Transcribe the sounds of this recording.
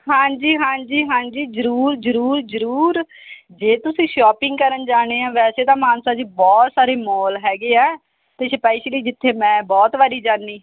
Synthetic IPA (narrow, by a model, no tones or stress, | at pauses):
ɦãːd͡ʒiːɦãːɲd͡ʒiːɦãːɲd͡ʒiːzəɾuːɾzəɾuːɾzəɾuːɾ | d͡ʒeːt̪ʊsĩːʃɔːpɪ̃ŋɡkəɾənd͡ʒaːɽ̃eːãːʋɛːseːt̪ãːmaːnsaːd͡ʒiːbɔːt̪saːɾeːmɔːlɦɛːɡeːɛː | t̪eːʃəpaːiʃeliːd͡ʒɪt̪ʰːeːmɛ̃ːbɔːt̪ʋaːɾiːd͡ʒaːnːiː